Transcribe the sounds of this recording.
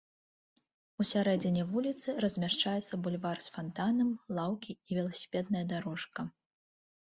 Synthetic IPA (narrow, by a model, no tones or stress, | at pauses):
usʲaɾɛd͡zʲɛnʲɛvulʲit̪sɨɾɐzʲmʲaʂt͡ʂajɛt̪sːɐbulʲvarsfant̪anɐmlˠawkʲiːvʲɛlˠɐsʲi̥pʲɛd̪nɐjɐd̪aɾɔʂkɐ